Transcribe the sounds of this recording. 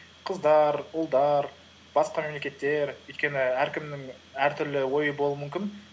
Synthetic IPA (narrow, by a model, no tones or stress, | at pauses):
qʰəzd̪ɑɾʊlˠd̪ɑɾ | bɑsqɑme̞mle̞kʲe̞t̪ːe̞ɾɵjt̪̚kʲe̞nɪæɾkʲɪmnɪŋ | æɾt̪ʰʏɾlɪwo̞jəbolˠuumʏmkʲɪn